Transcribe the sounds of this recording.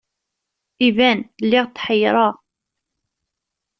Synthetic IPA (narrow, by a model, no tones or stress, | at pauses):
ivænlːɪʁt̪ːħəjɾˤɑ